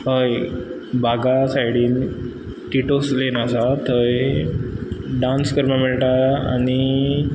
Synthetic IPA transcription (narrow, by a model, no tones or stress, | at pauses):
ɦəj | bʱaɡasajɽiːn | ʈiʈoslenasat̪ʰəj | ɖãnskəɾmameɭʈaa̰ni